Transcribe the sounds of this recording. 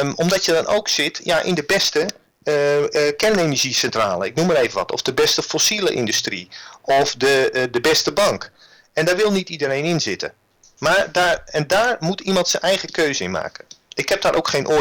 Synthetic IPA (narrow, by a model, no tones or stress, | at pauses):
ɔmdɔtjədɔno̰wksɪtjaʔɪ̰ndəbɛstə | kɛrnenəɹʒisɛntra̰ːləɪk̚numəreːvənʋɔtʰɔ̰vdəbɛstəfosilə̰ʔɪndystriɔfdədəbɛstəbɑŋk | ɛndaːɹʋɪlˠnitidəɾejnɪnzɪtə̰ | maːɹdaːɹɛndaːɹmutimɑntsənɛjɣəkøɥzəɪ̰nma̰ːkəʔɪkhɛp̚daːɾʔowkχeːnʔo